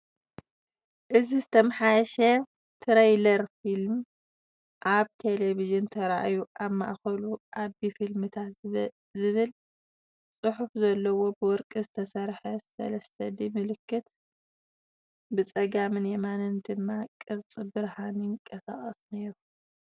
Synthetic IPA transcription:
ʔɨzizɨt̪ʰɐmħajʃɐ | t̪ʰɨɾejlɐɾfilm | ʔaβt̪ʰe̞leβizint̪ʰɐɾaʔajuʔaβma̰ʔxɐluʔaβifilmɨt̪ʰat̪ | zɨβɨl | t͡sʼɨħufzɐlːɐwo̞bɨwɔɾkʼizɨt̪ʰɐsɐɾħɐsɐ̰lɐst̪ʰɐd̪imɨlɨkːɨt̪ | bɨt͡sʼɐɡamɨnjemanɨnd̪ɨmːakʼɨβt͡sʼɨbɨɾhanikʼɐsa̰χʼɐsneɾu

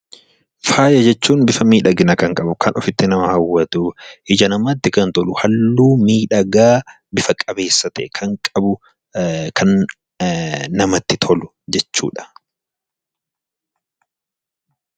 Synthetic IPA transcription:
faːjɐd͡ʒɛt͡ʃːuːnbɪfɐmiːᶑɐɡɪnɐkɐŋkʼɐbʊkɐnɔfɪt̪ːɪnɐmɐhɐwːɐt̪ʊʔɪd͡ʒɐnɐmɐt̪ːɪkɐnt̪ɔlʊhɐlːuːmiːᶑɐɡaː | bɪfɐkʼɐbe̞ːsːɐt̪ɛkʰɐŋkʼɐbʊ | kʰɐn | nɐmɐt̪ːɪt̪ʰɔlʊ | d͡ʒɛt͡ʃːṵːᶑɐ̥

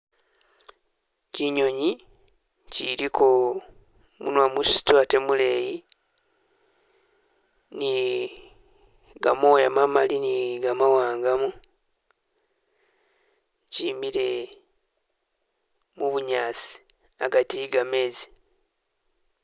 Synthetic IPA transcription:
ciɲo̞ɲi | ciɾikʰo | mṵnwamusi̥twate̞mule̞ji | ni | ɡamo̞ːjamamaliniɡamawaːŋɡamu | cimiɾe̞ | muβuɲaːsi̥ | aɡatiɡame̞ːzi̥

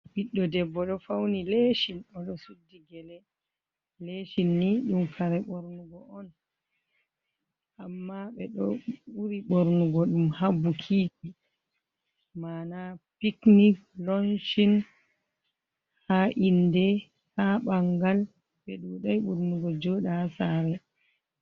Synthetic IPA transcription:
biɗːɔdɛbːɔɗɔfawnileʃinɔɗɔsudːiɡɛlɛ | leʃinːiɗumkʰaɾɛɓoɾnuɡɔʔɔn | ʔamːaɓɛɗɔuɾiɓoɾnuɡɔɗumhabukʰiːd͡ʒi | maːnapikniklonʃin | haʔindɛ | haɓaŋɡal | ɓɛɗuɗajɓuɾnuɡɔd͡ʒɔɗahasaɾɛ

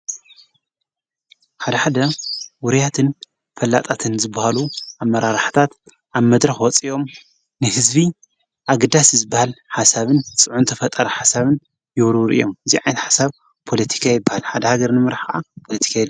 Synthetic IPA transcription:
ħad̪ɐħad̪ɐwʊɾijat̪ʰɨn | fɐlːa̰t̪ʼat̪ʰɨnzɨbːahaluʔamɐɾaɾħt̪ʰat̪ | ʔaβmɐd̪ɾɐxwɔt͡sʼiʔo̞m | nɨhɨzbi | ʔaɡɐd̪aszɨbːahalħasaβɨnt͡sʼɨʕunt̪ʰɐfɐt̪ʼɐɾɐħasaβɨn | jɪwɾɨwɾḭjomɨziʕajnt̪ħḁsaβ | pʰo̞lɐt̪ʰi̥kʰajɪbːahalħad̪ɐhaɡɐɾnɨmɨɾaħkɐʔapʰo̞lɐt̪ʰi̥kʰajilːa

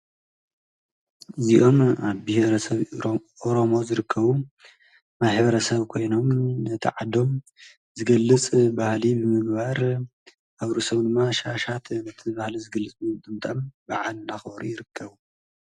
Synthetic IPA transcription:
ʔɨziʔo̞maβbiheɾɐsɐβʔoɾomo̞zɨɾɨkʰːɐβu | maħβɐɾɐsɐβkʰo̞jno̞mnɐt̪ʰḭʕad̪o̞m | zɨɡɐlːɨt͡sʼbahlibɨmɨɡbaɾ | ʔaβɾusɐβd̪ɨmːaʃaʃat̪nɐt̪ʰibahlizɨɡɐlːɨt͡sʼbɨt̪ʼɨmt̪ʼɐmbaʕalnaxbɐɾujɪɾɨkʰːɐβu

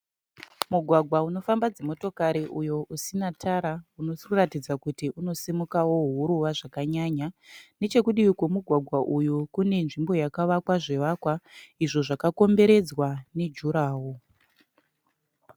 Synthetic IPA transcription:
muɡʱwaɡʱwauno̞fambad͡zemo̞to̞kaɾiʔujo̞ʔusinatʰaɾauno̞siuratid͡zakutiʔuno̞simukawo̞ɦuɾuʋaʐakaɲaɲane̞t͡ʃe̞kuɗiwikwomuɡʱwaɡʱwaʔujukune̞nʐimbo̞jakaʋakwaʐe̞ʋakwaiʐo̞ʐakako̞mbe̞ɾe̞d͡zwane̞d͡ʒuɾaːwo

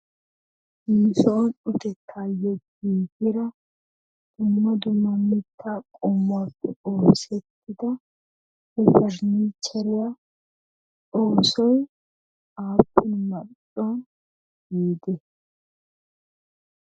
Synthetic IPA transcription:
hiːsɔnʊt̪ɛkʰːajːɔɡiːɡɪɾɐ | d̪̥ʊmːɐd̪ʊmːɐmːɪt̪ʰːakʼʊmːʊaːpːɛʔoːsɛt̪ːɪd̪ɐ | hɛfɐɾnit͡ʃːɛɾɪja | ᶑoːsɔj | aːpːɪnmɐ | ɔn | ɡiːd̪ɛ

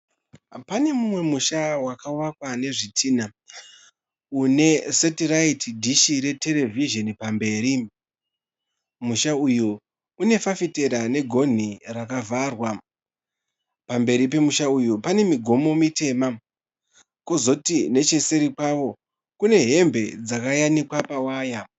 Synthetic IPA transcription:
pane̞mumwe̞muʃawakawakwane̞ʐitʰiːna | une̞setiraitidʱiʃiɾe̞te̞ɾe̞viʒo̞nipambe̞ːɾi | muʃauju | une̞fafite̞ɾane̞ɡʱo̞n̤irakavarwa | pambe̞ɾip̬e̞muʃaujupane̞miɡʱo̞mo̞mite̞ːma | ko̞zo̞tine̞t͡ʃe̞se̞ɾipaʋo̞ | kune̞ɦe̞mbʱe̞d͡zakajanikwapawaːja

